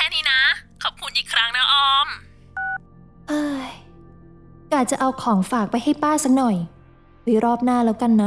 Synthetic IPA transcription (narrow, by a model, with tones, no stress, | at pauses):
kʰɛː˧˩niː˦˥na˦˥kʰɔ˨˩p̚kʰu˧nʔiː˨˩kʰɾa˦˥ŋna˦˥ʔɔː˧˩m | ʔɤː˧ | kaː˨˩t͡ɕa˨˩ʔa˧wkʰɔː˩˦ŋfaː˨˩k̚pa˧jha˥˩jpaː˥˩sa˦˥k̚nɔ˨˩j | ɾɯː˨˩˦ɾɔː˥˩p̚naː˥˩lɛː˦˥wka˧nːa˦˥